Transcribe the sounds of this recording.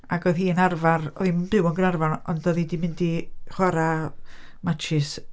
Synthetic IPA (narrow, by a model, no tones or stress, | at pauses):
aɡɔðiːənarvarɔ̰ðimbɪwɔnɡənarvanɔ̰ndɔðidimɪndiχwaɾa | mat͡ʃʰɪs